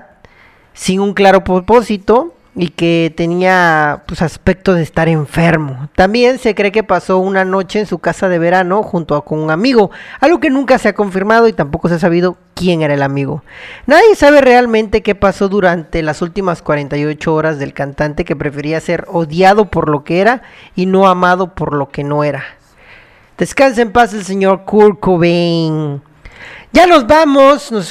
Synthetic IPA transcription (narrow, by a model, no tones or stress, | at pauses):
siŋuŋklaɾo̞pɾopo̞sit̪o̞ | ike̞t̪e̞niapwesaspe̞k̚t̪o̞ðest̪aɾe̞ɱfe̞ɾmo̞t̪ambje̞nse̞kɾe̞ke̞paso̞unano̞t͡ʃe̞ːnsukasaðe̞β̞e̞ɾano̞xunt̪oako̞nuŋamiɣo̞alɣo̞ke̞nũŋkase̞ako̞ɱfiɾmað̞o̞it̪ampo̞ko̞seas̬aβ̞ið̞o̞kje̞ŋe̞ɾaelamiɣo̰naðje̞saβ̞e̞re̞almẽnt̪e̞ke̞paso̞ðuɾant̪e̞lasult̪imaskwaɾe̞nt̪ajo̞t͡ʃoo̞ɾazðe̞lkant̪ant̪eke̞pɾe̞fe̞ɾiase̞ɾo̞ðjað̞o̞po̞ɾlokee̞ɾaino̞amað̞o̞po̞ɾlo̞ke̞no̞e̞ɾa | d̪̥e̞skans̬aempasels̬e̞ɲo̞ɾkuɾkoβen | ɟ͡ʝano̞zβamosnos